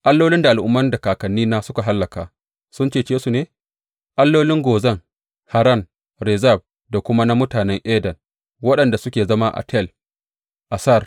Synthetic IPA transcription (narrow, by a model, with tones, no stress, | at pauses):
ʔa˦lːoː˦lɪ˦nda˨ʔa˨lʔʊ˦mːɐ˦ndɐ˨kaː˨kɐ˨nːiː˦naː˦sʊ˦ka˨ɦa˦lːɐ˨kaː˨ | sʊ˦nt͡ʃeː˦˨t͡ʃeː˦su˨neː˦ | ʔa˦lːoː˦lɪ˦ŋɡoː˨zɐ˦ŋ | ha˨ɾɐ˦˨n | ɾɛ˨zɐ˦˨b̚ | da˨kʷʊ˦ma˦na˦mʊ˦taː˨nɛ˦ŋʔeː˦dɐ˨n | wɐ˦ɗɐ˨nda˨sʊ˦kʲeː˨zɐ˦ma˦ʔa̰˨tʰɛ˦˨l | ʔa˨sa˦˨r